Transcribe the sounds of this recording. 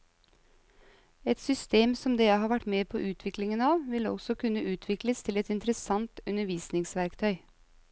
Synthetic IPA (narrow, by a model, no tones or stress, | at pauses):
ɛt̪sʏst̪eːmsɔmd̪eːæhɑːʋæʈmeːpʰo̰ːʔʉːt̪ʰʋɪklɪŋənɑːʋʋɪlɔ̰ɡsɔkʰʉnːəʔʉːt̪ʰʋɪkləst̪ʰɪlɛt̪ɪnt̪ɾəsɑŋt̪ʉnəʋiːsnɪŋsʋæɾkt̪ʰœʏ